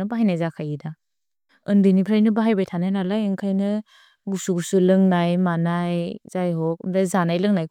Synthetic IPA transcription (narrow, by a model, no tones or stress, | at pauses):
baɦajnajzakʰajida | ɯndɯnipʰɾajnɯbaɦajbajtʰanajnalaeŋkʰajnɯ | ɡusuɡusulɯŋnajmanajzajɦɔk̚mdazanajlɯŋnaj